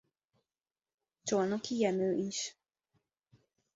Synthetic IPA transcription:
t͡ʃonokʰijɛmøːʔiʃ

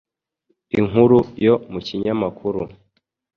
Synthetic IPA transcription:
iŋuɾujomuciɲamakʰuɾu

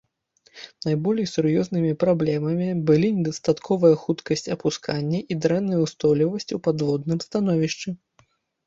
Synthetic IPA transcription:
najbɔlʲjsuɾjɔznɨmʲipɾablʲɛmɐmʲibɨlʲinʲɛd̪ɐst̪at̪kʰɔvɐjɐxut̪kɐsʲt͡sʲɐpuskʰanʲːɐʔid̪ɾɛnːɨjwst̪ɔlʲivɐsʲt͡sʲupad̪vɔd̪nɨmst̪anɔvʲiʂt͡ʂɨ

